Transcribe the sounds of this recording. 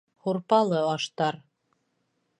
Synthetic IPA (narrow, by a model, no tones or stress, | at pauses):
huɾpɑlˠɤɑʃt̪ɑɾ